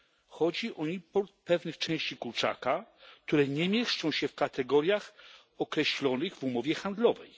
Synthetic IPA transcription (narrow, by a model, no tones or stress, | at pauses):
xɔd͡ʑiʔɔipɔɾt̪̚pɛvnɘxt͡ʂɛ̃w̃ɕt͡ɕikuɾt͡ʂa̰kak̚t̪uɾɛɲɛmʲjɛʂt͡ʂɔ̃w̃ɕɛfkat̪ɛɡɔɾʲjax | ɔkɾɛɕlɔnɘɣvumɔvʲjɛxand̪lɔvɛ̰j